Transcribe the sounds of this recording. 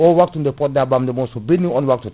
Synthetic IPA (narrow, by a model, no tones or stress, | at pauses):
ɔwak̚tũndepɔt̚dabamdemɔsɔbidnĩŋɔ̃nwak̚tu